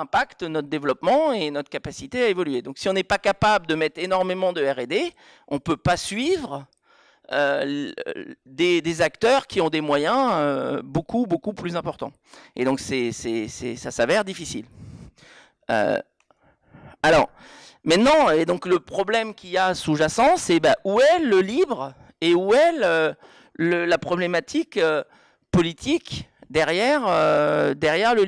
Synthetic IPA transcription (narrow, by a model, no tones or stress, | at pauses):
ɛ̃pakt̪nɔt̪χəd̪evlɔpmɑ̃enɔt̪χə̥kapasit̪eaevɔlɥed̪ɔ̃ksiɔ̃nɛpakapabləd̪əmɛt̪χenɔʁmemɑ̃d̪əɛʁed̪e | ɔ̃pøpasɥivʁ | ø | d̪ed̪ezakt̪œʁkʲiɔ̃d̪emwajɛ̃øbokubokuplyzɛ̃pɔʁt̪ɑ̰̃ | ed̪ɔ̃ksɛsɛsɛsasavɛʁd̪ifisil | ø̰ | alɔ̰ʁ | mɛ̃t̪nɑ̃ed̪ɔ̃kləpχɔblɛmkʲiasuʒasɑ̃sɛbaʔuɛləlibʁ | euɛlø | ləlapχɔblemat̪ʰikø | pɔlit̪ʰikd̪ɛʁjɛʁød̪ɛʁjɛʁlə